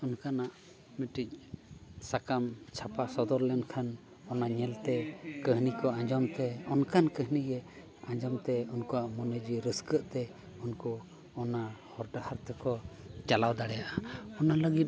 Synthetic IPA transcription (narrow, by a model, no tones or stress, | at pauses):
ɔnkanaʔ | miʈic̚sakamt͡ʃʰapasɔd̪ɔɾlɛnkʰan | ɔnaɲɛlt̪ɛkəɦnikɔãɲd͡ʒɔmt̪ɛɔnkʰankəɦniɡɛ | ãɲd͡ʒɔmt̪ɛunkɔaʔmɔnəd͡ʒiɾəskəʔt̪ɛ | unkɔː | nahɔɾʈahaɾt̪ʰəkɔt͡ʃalawd̪aɽɛjaʔaɔnaləɡit̪̚